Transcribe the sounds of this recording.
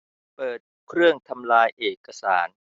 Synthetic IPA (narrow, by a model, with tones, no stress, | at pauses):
pɤː˨˩t̪̚kʰɾɯ˥˩əŋt̪ʰa˧mlaː˧jʔeː˨˩kːa˧saː˩˦n